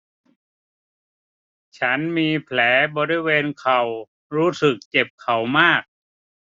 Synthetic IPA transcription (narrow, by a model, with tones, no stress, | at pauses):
t͡ɕʰa˦˥nmiː˧pʰlɛː˩˦bɔː˧ɾi˧weː˧nkʰa˨˩w | ɾuː˦˥sɯ˨˩k̚t͡ɕe˨˩p̚kʰa˨˩wmaː˥˩k̚